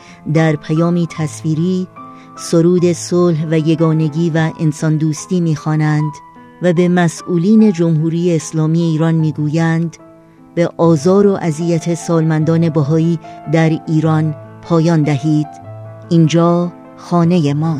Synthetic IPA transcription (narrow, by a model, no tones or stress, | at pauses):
d̪æɾpʰæjɒːmiːt̪ʰæsviːɾiː | so̞ɾuːd̪e̞solɦvæje̞ɡɒːne̞ɡiːvæʔensɒnd̪uːst̪iːmiːxɒːnænd̪ | væbe̞mæsʔuːliːne̞d͡ʒo̞mɦuːɾiːjeːslɒːmiːeiːɾɒnmiːɡuːjænd̪ | beʔɒːzɒːɾo̞ʔæzijæt̪ʰe̞sɒːlmænd̪ɒːne̞bæɦɒːiːd̪æɾiːɾɒnpʰɒːjɒːnd̪æhiːd̪̥ | ind͡ʒɒː | xɒːne̞jemɒː